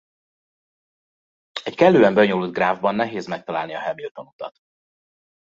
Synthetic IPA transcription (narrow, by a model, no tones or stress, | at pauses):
ɛckɛlːøːɛmbøɲolud̪̚ɡraːvbɒnːɛɦeːzmɛk̚t̪ɒlaːlniɒɦɛmilt̪o̞nut̪ɒ̰t̪